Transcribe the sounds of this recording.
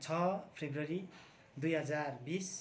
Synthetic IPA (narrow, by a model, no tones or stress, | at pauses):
t͡sʰʌpʰebrʌɾi | d̪ujɦʌd͡zarbis